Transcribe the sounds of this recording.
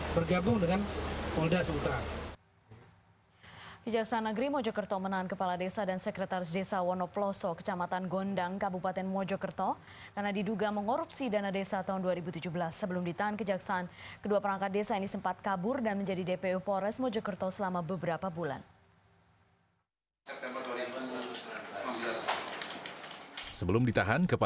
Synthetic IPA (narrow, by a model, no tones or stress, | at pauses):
bərɡabʊŋdəŋanmɔldasəut̪ɾa | kəd͡ʒaksaːnːəɡɾimɔd͡ʒɔkərt̪ɔmənaɦankəpaladesadansəkɾət̪aɾɪs̬desawɔnɔplɔsɔkə̥t͡ʃamat̪anɡɔndaŋkabupat̪ɛnmɔd͡ʒɔkərt̪ɔ | karnadiduɡaməŋɔɾupsidanadesat̪aɦunduaɾibut̪ud͡ʒubəlasːəbəlʊmdit̪aɦankəd͡ʒaksaʔːnkəduapəɾaŋkat̪̚desainisəmpat̪̚kabʊrdanməɲd͡ʒadidepeupɔɾɛsmɔd͡ʒɔkərt̪ɔsəlamabəbəɾapabula̰n | səbəlʊmdit̪aɦankəpa